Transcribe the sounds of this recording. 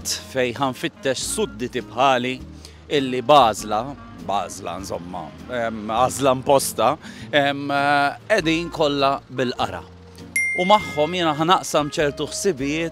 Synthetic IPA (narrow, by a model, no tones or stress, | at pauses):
t̪ːfɛjħɐɱfɪt̪ːɛʃsʊd̪ːɪt̪ipħɐːli | ɪlːibɐːzlɐ | bɐ̰ːzlɐ̰nzɔ̰mːɐ̰ɛmːɐːzlɐmpɔst̪ɐɛmː | ɛd̪iːnkɔlːɐbɪlʔɐ̰ɾɐ̰ | umɐħːɔmjɪːnɐɦɐnɐʔsɐmt͡ʃɛɾt̪uħsɪbɪjɪːt̪